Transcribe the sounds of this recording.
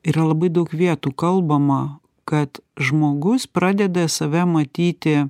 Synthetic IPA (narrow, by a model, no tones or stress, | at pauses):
iːɾɐlˠɐbɐɪd̪ɐʊkʋʲiɛt̪uːkɐlˠbɐmɐ | kɐt̪ʒmoːɡʊspɾɑːd̪ʲɛd̪ɐsɐʋʲɛmɐt̪ʲiːt̪ʲɪ